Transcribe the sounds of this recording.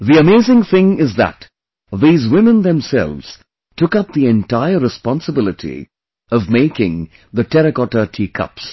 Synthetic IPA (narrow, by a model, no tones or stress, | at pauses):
ðiɨmeɪzɪ̃ŋθɪ̃ŋɪzðə̰t | ðiːzwɪ̃mə̃nðɛ̃msɛ̰lˠvz̥ | tʰʊkʌp̚ðiɛ̃ntaɪə˞ɹɨspɑ̃nsəbɪlˠɨtʰḭ | ʌvmeɪkɪ̃ŋ | ðɨtʰɛɾɨkɔtətʰiːkʰʌ̰ps